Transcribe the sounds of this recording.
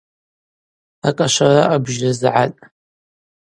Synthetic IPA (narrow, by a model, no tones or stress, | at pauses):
akʼaʃʷaraʔabʒrazʕatʼ